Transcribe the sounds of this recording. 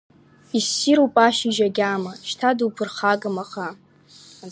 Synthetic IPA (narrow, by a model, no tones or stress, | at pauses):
isːiɾopʼaʃiʒaɡʲamaʃtʰadwpʰɨrχaɡamaχa